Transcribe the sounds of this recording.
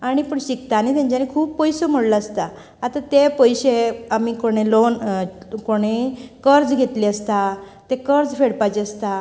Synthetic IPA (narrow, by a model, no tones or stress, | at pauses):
aɽ̃ipəɳɕikt̪anit̪jãɲt͡ɕanikʰuːpːɔjsom̤əɽlaəst̪a | at̪at̪epəjɕeamikoɽ̃elonkoɽ̃ekəɾd͡zɡʱet̪liəst̪a | t̪ekəɾd͡zfeɽpat͡ɕeəst̪a